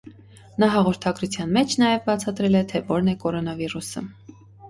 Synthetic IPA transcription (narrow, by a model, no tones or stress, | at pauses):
nɑɦɑʁɔɾt̪ʰɑɡɾut͡sʰjɑnmɛt͡ʃʰnɑjɛvbɑt͡sʰɑt̪ɾɛlɛt̪ʰɛvɔɾnɛkɔɾɔnɑvirusə